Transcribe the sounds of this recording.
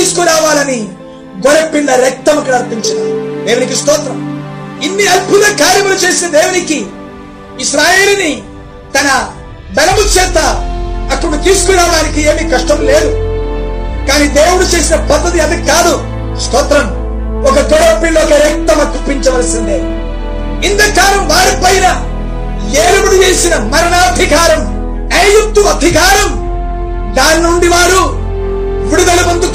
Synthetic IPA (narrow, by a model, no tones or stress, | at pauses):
t̪iːsu̥kuɾaːʋaːlɐni | ɡɔɽɐpːinːɐɾɛk̚t̪ɐmɐkinɐɾpiɲt͡ʃɐnd̪id̪eːwunikist̪ɔːt̪ɾɐminːiɐd̪̚put̪ɐkaːɾjɐmulut͡ʃe̞ːsinɐd̪e̞ːwuniki | iʃɾaːje̞ːluni | t̪ɐnɐ | bɛlɐmut͡ʃeːt̪ɐɐkːɐɽut̪iːsu̥kuɾaːʋaːnikie̞ːmikɐʂʈɐmle̞ːd̪u | kaːniːd̪eːwuɽut͡ʃe̞ːsinɐpɐd̪ːɐt̪̬iɐd̪ikaːd̪u | skɔːt̪ɾɐm | ɔkɐt̪ɔɽoːpːiloːkɐɾɛk̚t̪ɐmɐk̪upːiɲt͡ʃɐʋɐlɐsind̪eː | int̪ɐkaːlɐmʋaːɾipɐjnɐ | jeːɾɐbuɽuʋeːsinɐmɐɾɐnaːd̪ʱikaːɾɐm | ɐjuk̚t̪uɐb̪ʱikaːɾɐm | d̪aːnnuɳɖiʋaːɾu | ʋiɽud̪ɐlumɐnd̪uk